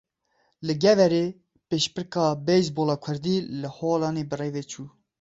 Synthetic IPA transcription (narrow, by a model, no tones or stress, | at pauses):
lɨɡɛvɛɾeː | peːʃpɨɾkɑːbɛjsboːlɑːkʷʰɨɾd̪iːləholɑːneːbəreːveːt͡ʃʰuː